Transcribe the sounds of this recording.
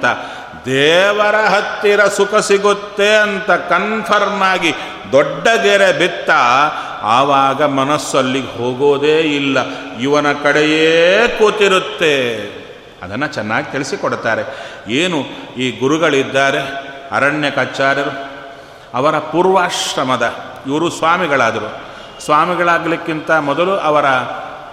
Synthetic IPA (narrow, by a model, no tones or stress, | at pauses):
t̪ɐ | d̪ɛːʋɐɾɐɦɐt̪ːiɾɐsukʰɐsiɡut̪ːeɐnt̪ɐkɐnpʰɐɾmaːɡi | d̪ɔɖːɐɡ̪eɾebit̪ːa | aːʋaːɡɐmɐnɐsːɐlːiɡɦoːɡoːd̪eːilːɐ | iʋɐnɐkɐɽejeːkuːt̪iɾut̪ːe̞ | ɐ̰d̪ɐnːɐt͡ʃɛnːaːɡit̪iɭisikɔɽt̪aːɾe̞eːnuiːɡuɾuɡɐɭid̪ːaːɾeɐ̰ɾɐɳjɐkɐt͡ʃːaːɾɐɾu | ɐʋɐɾɐpuːɾʋaːʂɾɐmɐd̪ɐ | iʋɐɾusʋaːmiɡɐɭaːd̪ɐɾu | sʋaːmiɡɐɭaːɡɐlikːint̪ɐmɔd̪ɐluʔɐʋɐɾɐ